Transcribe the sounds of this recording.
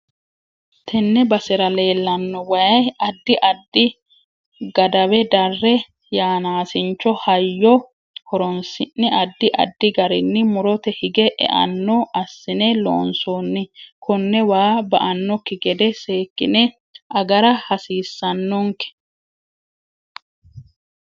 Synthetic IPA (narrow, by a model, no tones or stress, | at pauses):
t̪ʰɛnːɛbɐsɪɾɐle̞ːlːɐnːɔwɐjɐjɐd̪ːɪʔɐd̪ːɪ | ɡɐd̪ɐwɛd̪ɐrːɛ | jaːnaːsɪnt͡ʃːɔhɐjːɔ | hɔɾɔnsɪnːɪɐd̪ːɪʔɐ̰d̪ːɪɡɐɾɪnːɪmʊɾɔt̪ɛhɪɡɛʔɛ̰ʔɐ̰nːɔʔɐsːɪnelo̰ːnsoːnːɪkʊnːɛwaːbɐ̰ʔɐnːɔkːɪɡɛd̪ɛseːkːɪnɛ | ʔɐɡɐɾɐhɐsiːsːɐnːɔŋkɛ̥